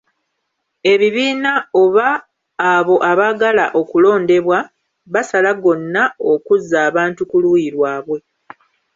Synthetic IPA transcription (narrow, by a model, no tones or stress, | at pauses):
e̞βiβiːnao̞βaː | βo̞ʔaβaɡalaʔo̞kulo̞ːnde̞βwa | βasalaɡo̞nːaokuzːaːβaːntukulujiɾwaːβwe̞